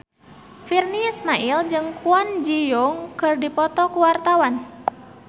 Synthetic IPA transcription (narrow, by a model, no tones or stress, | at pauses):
firniismaʔild͡ʒɨŋkuand͡ʒijɔŋkɨrdipɔt̪ɔkuwart̪awan